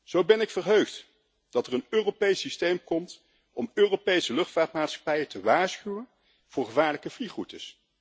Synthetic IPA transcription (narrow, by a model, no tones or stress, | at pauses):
z̥owbɛnɪkfərɦøɥχt | d̥ɑtərənøːropejsistejmkɔmt | ɔmøːropejsəlɵχtfaːtmaːtsχɑ̥pɛjətəʋaːɹsχywən | v̥ʊːɹχəvaːɹləkəvliχutəs